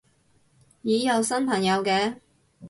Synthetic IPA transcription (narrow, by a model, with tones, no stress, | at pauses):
jiː˨˥jɐ˨˧wsɐ˥npʰɐ˨˩njɐ˨˧wkɛː˧